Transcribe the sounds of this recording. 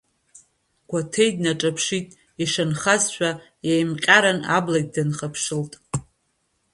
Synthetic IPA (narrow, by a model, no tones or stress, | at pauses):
ɡ̥ʷatʰejdnaʈ͡ʂʼapʰʂitʼ | iʂanχazʃʷᶣa | jejmqʲʼaɾana̰blaɡ̚ʲdanχapʰʂɨltʼ